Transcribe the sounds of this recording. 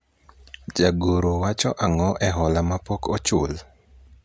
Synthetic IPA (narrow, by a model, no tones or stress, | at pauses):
d͡ʒaɡoɾowat͡ʃɔʔaŋɔʔɛɦɔlamapokɔt͡ʃʊl